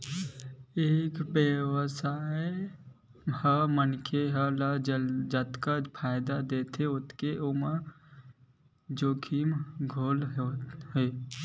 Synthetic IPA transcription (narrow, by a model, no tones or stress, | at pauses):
eːkbewsae | həmənkʰeɦəlad͡ʒd͡ʒat̪kapʰaːɪd̪ad̪eːt̪ʰeʊt̪keʔoma | d͡ʒoːkʰimɡʱoːlɦeː